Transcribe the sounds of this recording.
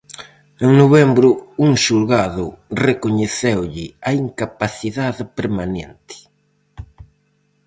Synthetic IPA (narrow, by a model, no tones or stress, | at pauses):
eŋnoβɛmbɾʊuŋʃulɣaðʊrekoɲeθewʎɪaiŋkapaθiðaðɪpeɾmanḛnt̪ɪ̥